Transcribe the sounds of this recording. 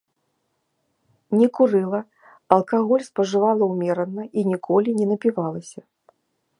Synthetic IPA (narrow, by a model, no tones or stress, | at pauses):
nʲɛkuɾɨlˠɐ | ɐlˠkaɣɔlʲspɐʐɨvalˠɐwmʲɛɾɐnːɐinʲikʰɔlʲinʲɛnɐpʲivalˠɐsʲɐ